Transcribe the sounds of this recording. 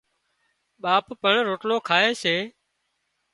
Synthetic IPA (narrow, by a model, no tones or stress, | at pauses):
ɓaːppəɳɾoːʈloːkʰaːeːseː